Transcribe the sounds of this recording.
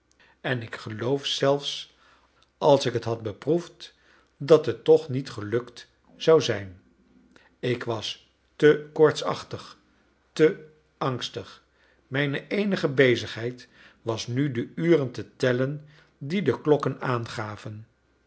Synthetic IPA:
ɛnɪkχəlowfsɛlˠfs | ʔɑlˠsɪkətɦɑt̚bəpruft | dɑtɦətːɔχnitχəlɵkt | z̥awzɛjn | ɪkʋɑs | təkɔɹtsɑ̰χtəχ | tə | ɑŋstəχ | mɛjnəʔejnəχəbejzəχɦɛjt | ʋɑsnydəyːrəntətɛlən | didəklɔkənaːnχaːvən

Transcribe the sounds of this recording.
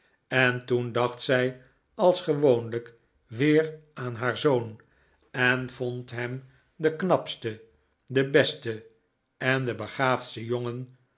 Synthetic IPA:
ɛntundɑχtsɛj | ɑlˠsχəʋownlək | ʋɪːraːnɦaːɹzown | ɛnv̥ontɦɛm | d̪əknɑpstə | dəbɛstə | ɛndəbəχaːfstəjoŋən

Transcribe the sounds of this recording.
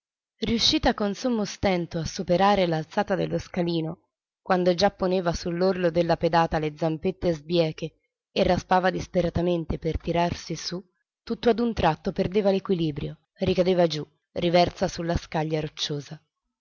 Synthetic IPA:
riuʃːiːt̪akonsomːost̪ɛnt̪oasːupeɾaːɾelalt̪saːt̪ad̪elːoskaliːno | kwand̪od͡ʒapːoneːvasulːorlod̪elːaped̪aːt̪aled̪zampet̪ːezbjɛːke | erːaspaːvad̪ispeɾat̪ament̪epert̪iɾarsisu | t̪ːut̪ːoad̪unt̪ɾat̪ːoperd̪eːvalekwiliːbɾjo | rikad̪eːvad͡ʒu | rivɛrt̪sasulːaskaʎːaɾot͡ʃːoːza

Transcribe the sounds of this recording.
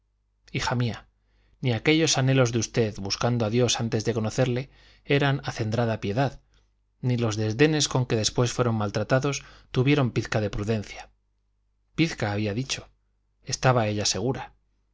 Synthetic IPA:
ixamia | niake̞ʎo̞sane̞lo̞zðeust̪e̞ðβuskand̪oaðjo̞sant̪e̞zðe̞ko̞no̞θe̞ɾle̞ | e̞ɾanaθe̞nd̪ɾaðapje̞ðað | nilo̞zðe̞zðe̞ne̞sko̞ŋke̞ðe̞spwe̞sfwe̞ɾo̞mmalt̪ɾat̪aðo̞st̪uβje̞ɾo̞mpiθkaðe̞pɾuðe̞n̟θja | piθkaːβiaðit͡ʃo̞̥ | e̞st̪aβae̞ʎase̞ɣ̞uɾa

